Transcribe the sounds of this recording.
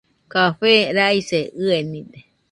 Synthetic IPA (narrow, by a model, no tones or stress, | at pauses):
kaɸeɾaiseɨenid̪e